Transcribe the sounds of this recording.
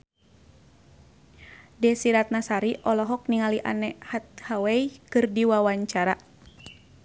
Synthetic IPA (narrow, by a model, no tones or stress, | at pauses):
dɛsiɾat̪̚nasaɾiʔɔlɔɦɔk̚niŋaliʔa̰nɛhat̪̚hawɛjkɨrdiwawaɲt͡ʃaɾa